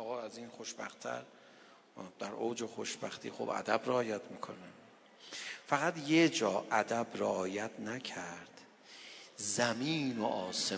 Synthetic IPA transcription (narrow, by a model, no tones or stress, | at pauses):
ɒːɣɒːæziːnχoʃbæ̰xt̪ʰæ̰ɾ | d̪æɾoːd͡ʒexoʃb̥æxt̪ʰḭːxo̰bæ̰d̪æbɾeɒːjæt̪ʰmiːkʰone | fæɣæt̪jed͡ʒɒːʔæd̪æbreɒːjæt̪ʰnækʰæɾd̪̥ | zæmiːnoʔɒːse